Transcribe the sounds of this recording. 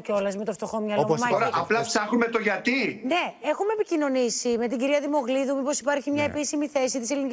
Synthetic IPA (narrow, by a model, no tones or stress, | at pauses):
ceo̞lɐzmet̪ofst̪o̞xo̞mɲɐlomɐoɾɐɐplɐp̪sɐxumet̪oʝɐt̪ine̞e̞xumepicino̞nisime̞t̪iɟiɾiɐðimo̞ɣliðumipo̞si̥pɐɾçimɲɐe̞pisimiθe̞sit̪ise̞linic